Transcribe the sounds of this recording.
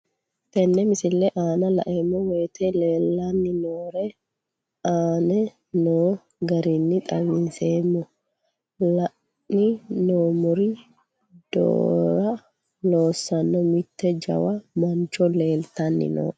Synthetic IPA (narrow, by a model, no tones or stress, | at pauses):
t̪ɛnːɛmɪsɪlːɛʔaːnɐlɐ̰ʔemːɔweːt̪ʰɛleːlːanːɪnoːɾɛ | aːnɛ | noː | ɡɐɾinːɪt̪ʼɐβɪnseːmːɔ | lɐʔ | nɪnoːmʊɾi | d̪̥o̰ːɾɐ | lo̞ːsːɐnːɔmɪt̪ːɛd͡ʒɐ̰wɐmɐɲt͡ʃːɔle̞ːlt̪ɐnːɪ̰no̰ː